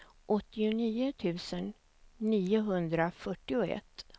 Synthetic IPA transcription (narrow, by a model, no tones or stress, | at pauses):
ʔɔt̪ːɪʊniːʊt̪ʰʉ̟ːsənː | iːʊɦɵnd̪ɾafœʈːɪʊɛ̰t̪ː